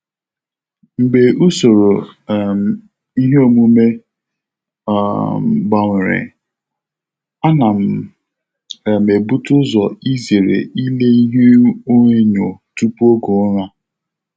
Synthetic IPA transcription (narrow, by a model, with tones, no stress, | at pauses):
m̩˨ɡ͡be˨ʔu˦so˨ɾo˨m˨ | i˦ɦe˦o˨mu˦me˦˨ | ɡ͡ba˨ŋʷɪ˨ɾɪ̰˨ | a˦na˨m̩˨ | me˨bu˦tʊ˦zɔ˨i˦ze˨ɾḛ˨i˦le˦i˦ɦe˦o˦ɲe˦ɲo˨tu˦pu˦o˦ɡo˨˦ɾa˦